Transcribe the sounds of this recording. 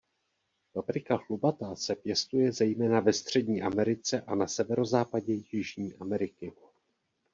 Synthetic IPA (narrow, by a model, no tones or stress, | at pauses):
fafɾɪkaɦlubat̪asɛpjɛst̪ujɛzɛjmɛːnavɛst̪r̝̥ɛdɲiːʔamɛɾɪt͡sɛʔanasɛvɛɾo̞zaːpaɟɛjɪʒɲiːʔamɛɾɪkɪ